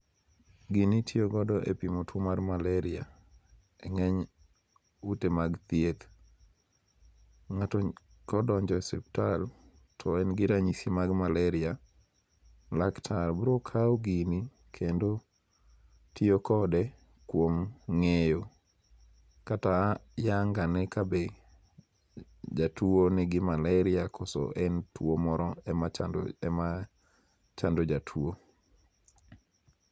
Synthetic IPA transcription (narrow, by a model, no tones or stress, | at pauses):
ɡinitʰjoɡɔdɔʔḛpimotʰomarmalɛɾɪa̰ | ɛŋɛɲ | utemaɡt̪jek | ŋatɔ | kɔdɔɲd͡ʒɔɛsɛptal | tʰɔɛnɡɪɾaɲisimaɡmalɛɾɪa | laktʰalbɾokʰawɡini | kʰendo | tiokɔdɛ | kwomŋejo | katajaŋɡanɛkabe | d͡ʒatuonɪɡɪmalɛɾɪakʰɔsɔ̰ʔɛntwomɔɾɔɛmaadɛma | t͡ʃandod͡ʒatʰuo